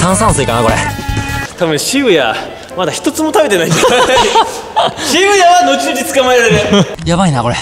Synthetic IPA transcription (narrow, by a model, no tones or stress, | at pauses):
sãɰ̃sãɰ̃sɨikanakoɾḛ | t̪abɯ̟̃ɰ̃ɕibɯja̰ | mad̪açi̥t̪o̞t͡sɨmo̞t̪abe̞t̪e̞nait̪ | ɕibɯ̟jaβano̞t͡ɕinod͡ʑit͡sɨ̥kamaeɾad̪eɾɯ | jabainako̞ɾe